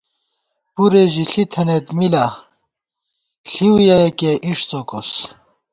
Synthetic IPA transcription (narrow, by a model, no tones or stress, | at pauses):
puɾeʑiɬit̪ʰɐnet̪mila | ɬiwjajekeʔiʂt͡sokos